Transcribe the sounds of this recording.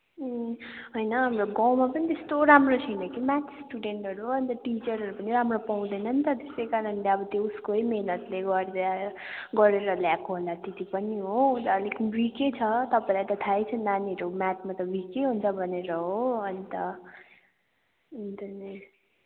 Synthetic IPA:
ɦojnʌɦamroɡawmapʌnit̪est̪oɾamrot͡sʰʌjnʌkimat̪sʈuɖeɳʈɦʌɾuʌnit̪ʌʈit͡sʌɾɦʌɾupʌniɾamropaw̃d̪ʌjnʌnit̪ʌt̪esekanʌnleʌbʌt̪jeuskojmenʌt̪leɡʌɾa | ɡʌɾeɾʌljakoɦolat̪et̪ipʌniɦot̪ːlikbiket͡sʰʌt̪ʌpaĩlajt̪ʌt̪ʰajt͡sʰʌnaniʌɾomat̪mat̪ʌbikeɦunt͡sʰʌbʱʌneɾʌɦoʌnit̪ʌ | nit̪ʌni

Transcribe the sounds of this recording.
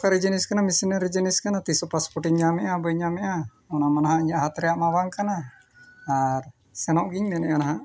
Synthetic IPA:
kaɾid͡ʒiniskanamisinəɾid͡ʒiniskanat̪isɔpaspɔʈiɲɲamɛʔabəjɲamɛʔa | ɔnamanaɦãiɲaʔɦat̪ɾɛjaʔmabaŋkanaː | ɾ | sɛnɔʔɡiɲmɛnɛʔanaɦaʔ

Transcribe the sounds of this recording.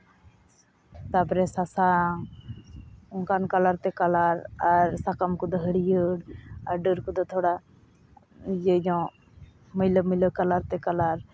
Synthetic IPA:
t̪apɔɾɛsasaŋ | ɔŋkankalaɾt̪ɛkalaɾaɾsakamkud̪ɔɦəɽijəɽaɾɖəɾkud̪ɔt̪ʰɔɽa | d͡ʒəd͡ʒɔ̃ | məjləmələkalaɾt̪ɛkalaɾ

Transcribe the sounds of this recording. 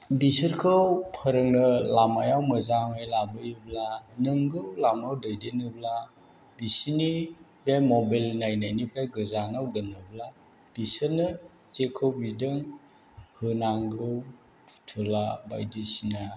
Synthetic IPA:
bisɯɾkʰɯwpʰəɾɯŋnɯlamajawmɯzamajlabɯjblanɯŋɡɯwlamawdɯjdenɯbla | bisini | bemɔbalnajnajnipʰɾajɡɯzanawɡɯnɯbla | b̥isɯɾnɯ | t͡ʃekʰɯwbidɯŋ | hɯnaŋɡɯw | tʰɯlaba̰jdɯsina

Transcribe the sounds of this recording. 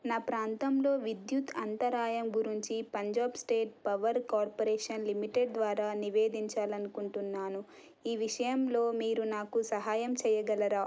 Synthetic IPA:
naːpɾaːnt̪ɐmlo̞ːʋid̪jut̪ɐnt̪ɐɾaːjɐmɡuɾiɲt͡ʃipɐɲd͡ʒaːpsʈeːʈ̚pɐʋɐɾkaːɾpoɾeːʂɐnlimiʈeɖd̪ʋaːɾaːniʋeːd̪iɲt͡ʃaːlɐnukuɳʈunːaːnu | iːʋiʂɐjɐmlo̞ːmiːɾunaːkusɐɦaːjɐmt͡ʃɛːjɐɡɐlɐɾaː

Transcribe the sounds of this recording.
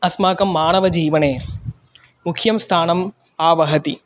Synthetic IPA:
ɐsmaːkɐmːaːnɐʋɐd͡ʒiːʋɐneː | mukʰjɐmst̪ʰaːnɐm | aːʋɐɦɐt̪i

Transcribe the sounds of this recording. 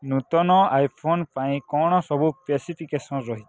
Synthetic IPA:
nut̪ɔnɔajpʰonpaĩkɔɽ̃ɔsɔbupesipʰikesɔnɾɔɦit̪

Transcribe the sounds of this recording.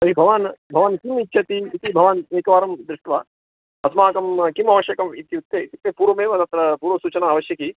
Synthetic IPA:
sɐɾibʱɐʋanbʱɐʋɐnkimitːt͡ʃʰɐt̪iːt̪ibʱɐʋɐneːkɐʋaːɾɐmd̪ɾɪʂʈʋɐ | ɐsmaːkɐmkimɐʋɐʃjɐkɐmit̪iut̪ːeːit̪it̪ːepuːɾɐmeːʋɐt̪ɐt̪ɾɐpuːɾʋɐsuːt͡ʃɐnaːʋɐʃjɐki

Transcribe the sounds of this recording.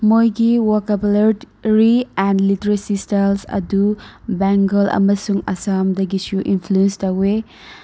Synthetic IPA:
mojɡiwɐɾkɐbleɾ | ɾiɛnliteɾɐsistalsɐ̰dubɛŋɡɐlɐ̰mɐsuŋɐsamdɐɡisuʔinpʰluenstɐwe

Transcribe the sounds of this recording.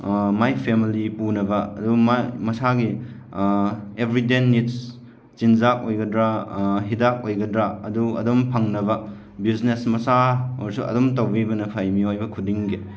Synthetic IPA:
majpʰemilipunɐbɐɐ̰dumamɐsaɡi | ebɾidenits | t͡ʃind͡ʒak̚ojɡɐdɾaɦidak̚ojɡɐdɾaɐduɐ̰dumpʰɐŋnɐbɐ | biznesmɐsaoɾsuɐ̰dumtɐwbibɐnɐpʰajmiojbɐkʰudiŋɡe

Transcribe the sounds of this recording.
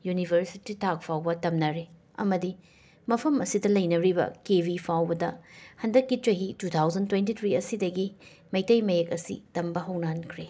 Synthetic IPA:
junibʱɐɾsititʰak̚pʰawbɐtɐmnɐɾe | ɐ̰mɐdi | mɐpʰɐmɐsidɐlɐjnɐɾibɐ̰kebʱipʰawbɐdɐhɐndɐkːit͡ʃɐɦitutʰawzɐntwentit̪ʰɾiɐsidɐɡi | mɐjtɐjmɐjekɐsḭtɐmbɐɦɐwnaɦɐnkʰɾe

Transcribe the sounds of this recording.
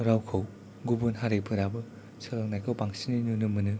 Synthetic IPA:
ɾawkʰɯw | ɡubunɦaɾepʰɯɾabɯ | sɯlɯŋnajkʰawpaŋsininunɯmɯnɯ

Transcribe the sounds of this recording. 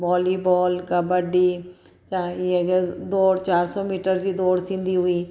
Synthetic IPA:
bɔːliːbɔːlkəbəɖiː | t͡ʃaːiɦɛked̪oːɽt͡ʃaːɾsɔːmiːʈəɾd͡ʒiːd̪oːɽt̪ʰɪ̃nd̪iːɦʊiː

